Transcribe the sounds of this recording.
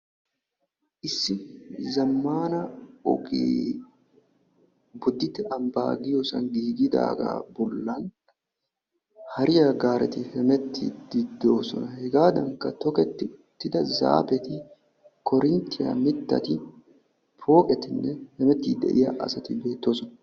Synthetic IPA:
ʔɪsːɪzɐmːaːnɐɔ̰kʼḭː | bʊd̪ːɪt̪ɪɐmba̰ːɡɪjɔsɐŋɡiːɡɪd̪a̰ːɡa̰ːbɔlːɐn | hɐɾɪjaɡaːɾɛt̪ɪhɛmɛt̪ʰːɪ̰d̪̥ɪd̪o̞ːsɔ̰nɐhɛɡaːd̪ɐŋkɐt̪ɔkɛt̪ːɪʊt̪ːɪd̪ɐza̰ːpɛt̪ɪ | kʰɔɾɪnt̪ɪjɐ̰mɪt̪ːɐ̰t̪ɪ | pʰo̞ːkʼɛt̪ɪnːɛhɛmɛt̪ːid̪ɛ̰ʔɪjɐʔɐ̰sɐt̪ɪbe̞ːt̪ːoːsɔnɐ

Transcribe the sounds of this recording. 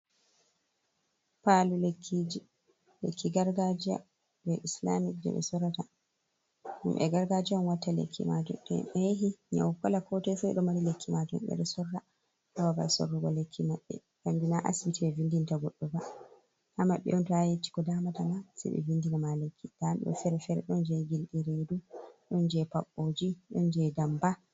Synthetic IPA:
palulekʰːid͡ʒi | lekʰːiɡaɾɡad͡ʒia̰ | bɛʔisla̰mik̚d͡ʒɛ̰ɓɛ̰sɔɾata | humʔɛ̰ɡaɾɡad͡ʒiamwatːalḛkʰːḭmad͡ʒṵɗɛ̰ɓɛɦiɲa̰wkɔlakɔtɛsɛjɗɔmaɾilekʰːimad͡ʒumɓɛ̰ɗɔsɔrːa | sababa̰so̰rːuɡɔlekʰːimaɓːɛ̰ | kamdinaʔa̰sibitiɛvindintaɡɔɗːɔba | hamaɓːɛ̰ʔɔntɔajet͡ʃːi̥kɔdamatamasɛ̰ɓɛ̰vindinamalekːid̥amɓɛ̰ɔ̰fɛɾɛfɛɾɛ̰ɗɔnd͡ʒɛɡilɗiɾeduɗɔnd͡ʒɛpaɓːod͡ʒiɗɔnd͡ʒɛdamba

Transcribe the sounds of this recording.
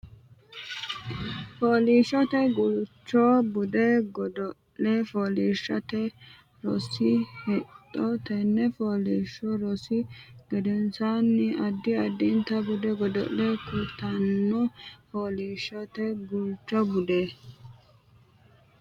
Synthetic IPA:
foːliːʃɔt̪ɛɡʊlt͡ʃːɔbʊd̪ɛɡɔd̪ɔ | ɛfoːliːʃːɐt̪ɛ | ɾɔsɪhɛt̪ʼːɔt̪ɐnːɛfoːliːʃːɔɾɔsɪɡɛd̪ɛnsanːɪɐd̪ːɪɐd̪ːɪnt̪ɐbʊd̪ɛɡɔd̪ɔ̰ʔlɛkʊt̪ɐnːɔfoːliːʃːɔt̪ɛɡʊlt͡ʃːɔbʊd̪e

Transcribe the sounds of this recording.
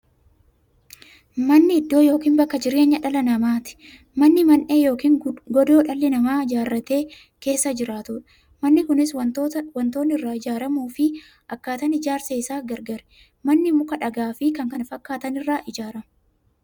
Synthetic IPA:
mɐnːɪːd̪ːo̞ːjo̞ːkiːnbɐkːɐd͡ʒɪɾeːɲːɐᶑɐlɐnɐmaːt̪ɪ̥ | mɐnːɪmɐnʔe̞ːjo̞ːkiːŋɡɔd̪o̞ːᶑɐlːɪnɐmaːɪd͡ʒaːrːɐt̪e̞ː | ke̞ːsːɐd͡ʒɪɾaːt̪ʊᶑɐ̥ | mɐnːɪkʊnɪswɐt̪ːwɐnt̪o̞ːnːɪrːaːɪd͡ʒaːɾɐmuːfɪ | ʔɐkːaːt̪ɐnɪd͡ʒaːɾseːɪsaːɡɐɾɡɐɾɛ̥ | mɐnːɪmʊkɐᶑɐɡaːfɪkɐŋkɐnfɐkːaːt̪ɐnɪrːaːʔɪd͡ʒaːɾɐmʊ

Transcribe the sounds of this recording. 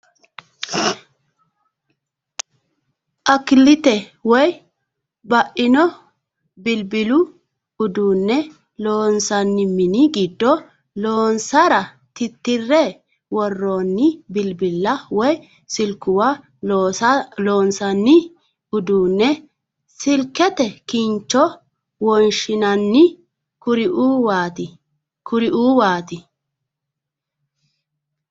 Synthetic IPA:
ʔɐkːɪlːɪt̪ɛwɔj | bɐʔɪnɔ | bɪlbɪlʊ | ʊd̪uːnːɛ | loːnsɐnːɪmɪnɪɡɪd̪ːɔ | loːnsɐɾɐ | t̪ɪt̪ːɪrːɛ | wɔrːoːnːɪbɪlbɪlːɐwɔj | sɪlkːʊwa | loːnsɐnːɪ | ʊd̪uːnːɛ | sɪlkːɛt̪ɛkɪnt͡ʃːɔ | wɔnʃɪnɐnːɪ | kʊɾɪʔuːwaːt̪ɪ | kʊɾɪʔuːwaːt̪ɪ

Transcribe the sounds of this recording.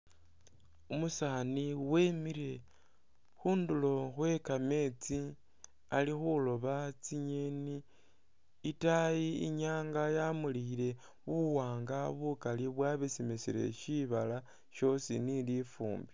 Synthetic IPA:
umusaniwe̞ːmiɾe̞ | xuːndulo̞xwe̞kame̞t͡si | alixulo̞βat͡siɲeniː | tajiḭɲaːŋɡajamuliiɾe̞ | βuwaːŋɡaβukaliβwaβesimesiɾe̞̰ʃiβala | ʃo̞sinilifṵːmbi

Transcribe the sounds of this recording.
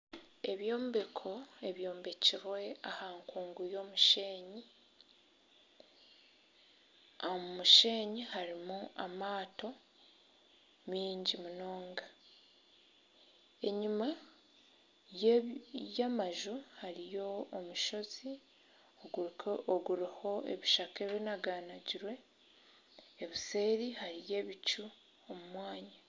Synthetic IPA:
e̞βjo̞ːmbekʰo̞e̞βjo̞ːmbe̞ciɾwe̞ahaːŋkuːŋɡujo̞muʃeːɲi | omuʃe̞ːɲihaɾimuʔamaːto̞ | miːɲɟimuno̞ːŋɡa | e̞ɲima | j | jamaʒuhaɾijo̞ːmuʃo̞z̥i | ooɡuɾiho̞ḛβiʃakeβinaɡaːnaɟiɾwe̞ | βise̞ːɾihaɾije̞ːβit͡ʃu | omumwaːɲa

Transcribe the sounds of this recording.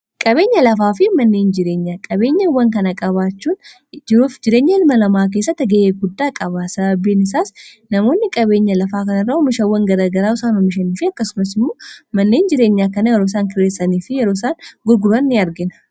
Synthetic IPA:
kʼɐβe̞ːɲːɐlɐfaːfɪmɐnːe̞ːnd͡ʒɪɾeːɲːaːkʼɐbe̞ːɲːɐwɐŋkɐnɐkʼɐβaːt͡ʃːuːn | d͡ʒɪɾuːfd͡ʒɪɾeːɲːɐɪlmɐlɐmaːk̬eːsːɐt̪ɛɡeʔeːɡʊd̪ːaːkʼɐβaːsɐbɐbːiːnɪs̬aːs | nɐmo̞ːnːɪkʼɐβe̞ːɲːɐlɐfaːkɐnɐrːɐʊmɪʃɐwːɐŋɡɐɾaɡɐɾaːʊsaːnɔmːɪʃɐniːfɪɐkːɐsʊmɐsɪmːoːmɐnːe̞ːnd͡ʒɪɾe̞ːɲːaːkɐnɐjɛɾo̞ːs̬aːŋkɪɾeːsɐniːfɪjɛɾoːsaːnɡʊɾɡʊɾɐnːeɐɾɡɪnɐ̥

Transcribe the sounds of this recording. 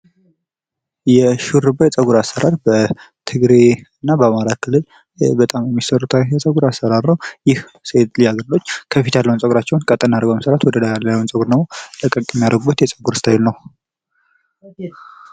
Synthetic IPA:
jɛʃuɾɨbːəjɛt͡sʼəɡuɾasəɾʔaɾbə | t̪ʰɨɡɾeɨnːabəamaɾakʰɨlːɨl | bət̪ʼamjɛmːisəɾut̪ʰawjɛsʼəɡuɾasːəɾaɾnəwjɪh | set̪lijaɡəɾlo̞t͡ʃːkʰəfit̪ʰjalːəwunt͡ssʼəɡuɾat͡ʃːɛwnkʼət̪ʼənaɾəɡoməsəɾat̪wɔd̪ədalːəwnsʼəɡuɾnəwot̪əkʼːəkʼjɛmːijaɾəɡubət̪jɛt͡sʼəɡuɾɨst̪ʰajɪlnəw

